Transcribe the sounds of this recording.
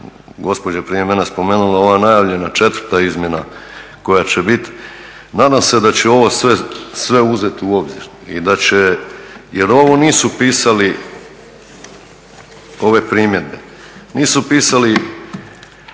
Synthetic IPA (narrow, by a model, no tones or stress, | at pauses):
ɡo̞spo̞d͡ʑapɾije̞menespo̞meːnulao̞ʋanajaːʋʎe̞nat͡ʃe̞t̪ʋɾ̩t̪aizmʲje̞na | ko̞jat͡ɕebit̪ | naːd̪amse̞d̪at͡ɕe̞o̞ʋo̞sʋesʋe̞uze̞t̪uo̞bzḭɾ | ḭd̪at͡ɕeje̞ɾo̞ʋo̞niːsupiːsali | o̞ʋe̞pɾiːmje̞d̪̚be | niːsupiːsali